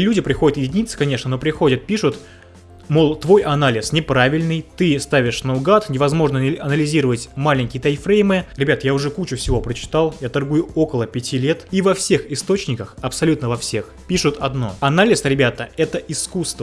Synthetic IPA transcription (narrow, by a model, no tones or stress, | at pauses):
lʲudʲɪpɾʲɪxo̞dʲɪt̪jɪdʲɪnʲit̪sə̥kɐnʲe̞ʂnəno̞pɾʲɪxo̞dʲət̪̚pʲiʂʊt̪ | molˠt̪vo̞jʔɐnalʲɪsnʲɪpɾavʲɪlʲnɨjt̪ɨst̪avʲɪʂnəʊɡat̪nʲɪvɐzmo̞ʐnəɐnəlʲɪzʲiɾəvətʲmalʲɪnʲkʲɪjət̪ɐjfɾʲejmɨɾʲɪbʲat̪jaʊʐɛkut͡ɕʊfsʲɪvo̞pɾət͡ɕɪ̥t̪alˠjat̪ɐrɡujʊo̞kəlˠəpʲɪtʲilʲe̞t̪ivɐfsʲe̞xɪst̪o̞t͡ɕnʲɪkəxɐpsɐlʲut̪nəvɐfsʲe̞x | pʲiʂʊt̪ɐd̪no̞̰ɐnalʲɪsɾʲɪbʲat̪əɛt̪əʔɪskust̪və